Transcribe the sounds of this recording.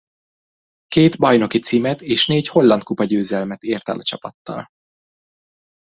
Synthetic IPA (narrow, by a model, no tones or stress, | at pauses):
keːt̪bɒjno̞kit̪siːmɛt̪eːʃneːcho̞lːɒnt̪̚kupɒɟøːzɛlmɛt̪eːrt̪ɛ̰lɒt͡ʃɒpɒt̪ːɒ̰l